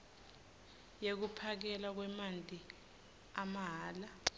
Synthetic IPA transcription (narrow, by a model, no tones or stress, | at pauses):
jek̬upʰak̬ɛlak̬wɛmantʼi | amaɦaːla